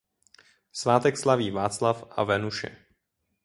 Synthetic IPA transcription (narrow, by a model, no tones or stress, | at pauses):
svaːt̪ɛkslaviːvaːt͡slafʔa̰vɛnuʃɛ̰